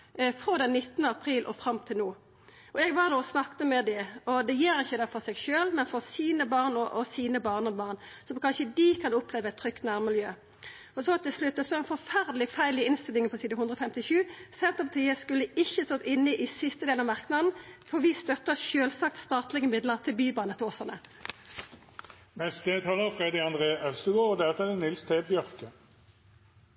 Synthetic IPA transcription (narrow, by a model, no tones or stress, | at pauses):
fɾoːd̪ɛnːɪt̪ːənəɑpʰɾiːlʔɔ̰fɾɑmt̪ʰɪlnuː | ɔɛɡʋɑd̪oːɔsnɑkt̪əmɛd̪ɛɔd̪ɛjeːɾɪçːəd̪ɛfɔɾsɛɡʃøːlmɛnfɔɾsiːnəbɑːʁnɔʔɔsiːnəbɑːʁnɔbɑːʁnsɔmkʰɑnʃəd̪ikʰɑnʊpʰleːʋəɛt̪ʰːɾʏkt̪næʁmɪljøː | ɔsɔt̪ɪlslʉt̪̚ːɛst̪oːɛnfɔɾfæʁd̪əlɪfæɪlɪɪnst̪ɪlːɪŋəpʰɔsiːd̪əhʉnd̪ʁəɔfɛmt̪ɪʃʉːsɛnt̪əpʰɑt̪ʰiːəskʉlːəɪçːəst̪ɑt̪ːɪnːɪʔɪsɪst̪əd̪eːlnɑʋmɑʁknɑd̪n̩fɔʁʋɪst̪œt̪ːəʃøːlsɑkt̪st̪ɑːt̪lɪɡəmɪd̪ləʁt̪ʰɪlbyːbɑːnət̪ʰoːsəʁnə | mɛnsd̪et̪ʰɑːləʁfʁed̪ɪɑnd̪ʁeːʔœlst̪əɡoːʁɔd̪ɛt̪ːɛd̪ɛnɪlst̪ʰeːbjœʁkə